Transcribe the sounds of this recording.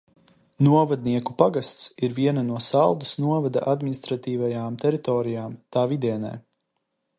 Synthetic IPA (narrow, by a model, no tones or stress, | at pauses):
nuɔvad̪niɛkupaɡast̪siɾviɛnanuɔsalˠd̪usnuɔvad̪a̰ʔad̪minist̪ɾat̪iːvajaːmt̪ɛɾit̪ɔːɾijaːmt̪aːvid̪iɛna̰j